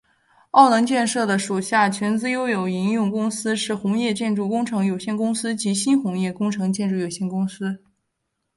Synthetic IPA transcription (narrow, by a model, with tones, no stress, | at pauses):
ɑ˥˩ʊnɤ˧˥ŋt͡ɕjɛ˥˧nʂɤ˥˩d̪ə˩ʂu˨˩ɕja˥˩t͡ɕʰɥɛ˧˥nt͡sɹ̩˥˧jo˥ʊjo˨˩ʊi˧˥njʊ˥˩ŋkʊ˥ŋsɹ̩˥ʂɻ̩˥˩xʊ˧˥ŋjɛ˥˧t͡ɕjɛ˥˧nʈ͡ʂu˥˩kʊ˥ŋʈ͡ʂʰɤ˧˥ŋjo˨˩ʊɕjɛ˥˩nkʊ˥ŋsɹ̩˥t͡ɕi˧˥ɕi˥nxʊ˧˥ŋjɛ˥˩kʊ˥ŋʈ͡ʂʰɤ˧˥ŋt͡ɕjɛ˥˧nʈ͡ʂu˥˩jo˨˩ʊɕjɛ˥˩nkʊ˥ŋsɹ̩˥